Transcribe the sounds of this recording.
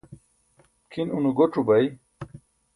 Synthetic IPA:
kʰinunuɡoʈ͡ʂubɐj

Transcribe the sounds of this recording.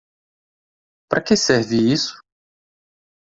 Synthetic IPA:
pɾʔɐkesɛɾviisʊ̥

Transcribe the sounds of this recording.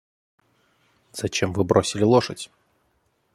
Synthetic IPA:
z̥ɐt͡ɕe̞mvɨbɾʔo̞sʲɪlʲɪlˠoʂətʲ

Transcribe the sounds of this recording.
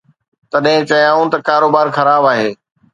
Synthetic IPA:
t̪ɐɗɦɪ̃t͡ɕɐjãːũt̪ɐkaːɾoːbaːɾxɐɾaːbaːɦeː

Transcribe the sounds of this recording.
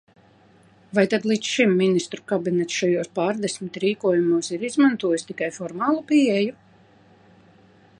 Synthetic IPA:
vajt̪ad̪lˠiːt̪sʃimːinist̪ɾukabinɛt̪sʃajuɔːspaːɾd̪esmit̪ʲɾiːkuɔjumuɔsiɾizmant̪uɔjusʲt̪ikajfɔɾmaːlˠupiɛju

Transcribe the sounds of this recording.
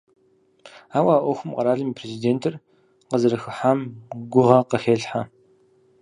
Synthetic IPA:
aːwaːʔʷɔxʷʊmqɐɾaːɮɨmiːpʰrezideːntʰɨr | qəzɐɾɐxɨħaːmɡʷʊʁɐqəxeːɬħa

